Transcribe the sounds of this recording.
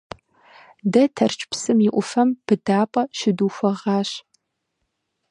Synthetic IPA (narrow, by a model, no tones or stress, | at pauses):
dɐtʰɐrt͡ʃʼpsɨmɪʔʷʊfɐmb̥ɨdaːpʼɐʃɪduːxʷɐʁɑːɕ